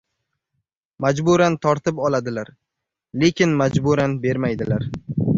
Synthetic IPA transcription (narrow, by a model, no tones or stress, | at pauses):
mad͡ʒbʊɾant̪ʰɒɾt̪ɪpɒlˠad̪ɪlaɾ | le̞kʲɪnmad͡ʒbʊɾanbe̞ɾmajd̪ɪlaɾ